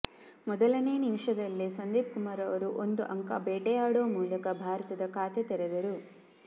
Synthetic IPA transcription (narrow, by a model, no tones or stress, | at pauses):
mɔd̪ɐlɐne̞ːnimʂɐd̪ɐlːisɐnd̪iːp̚kumaːɾɐʋɐɾuʔond̪uʔɐŋka̰bɛːʈɛjaːɽoːmuːlɐkɐbʱaːɾɐt̪ɐd̪ɐkʰaːt̪et̪ɛɾɛd̪ɐɾu